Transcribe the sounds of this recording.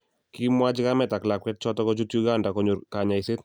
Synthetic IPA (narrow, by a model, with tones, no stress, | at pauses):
ki˦mwa˦d͡ʒɪ˦ka˦mɛ˨ta˨kla˨kwɛt̚t͡ʃɔ˦tɔ˦kɔ˦d͡ʒu˦tju˦ɡanda˨kɔɲo˨ɾka˨ɲa˨ise˦t